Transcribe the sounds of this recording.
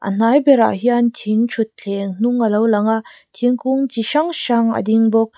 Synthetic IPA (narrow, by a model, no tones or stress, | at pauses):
ʔɐ̰n̥ajbeɾa̰ɦiantʰiŋt͡ʃʰut̚ːʰeŋn̥uŋːɐlɐwlɐŋa | tʰiŋkuŋt͡ʃiʃaŋʃaŋɐ̰diŋbok̚